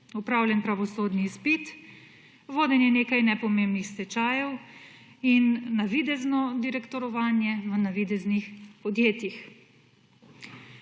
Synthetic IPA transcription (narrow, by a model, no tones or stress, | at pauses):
ɔpɾaːwlʲjɛnpɾaʋɔsoːd̪nispit̪ | ʋoːd̪ɛnjɛneːkajnɛpɔmembnixst̪ɛt͡ʃaːjɛw | inːaʋid̪ɛznɔd̪iɾɛkt̪ɔɾɔʋaːnjɛʋənaʋid̪ɛznixpɔd̪jeːt̪jix